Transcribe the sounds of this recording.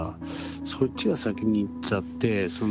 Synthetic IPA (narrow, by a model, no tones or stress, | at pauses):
a̰ | so̞t͡ɕːiɡasakʲiɲ̟iːt͡ɕat̪ːe̞so̞n